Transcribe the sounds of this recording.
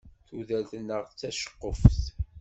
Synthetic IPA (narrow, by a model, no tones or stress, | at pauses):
θuðælθənːəʁt͡sːæʃə̥qːəfθ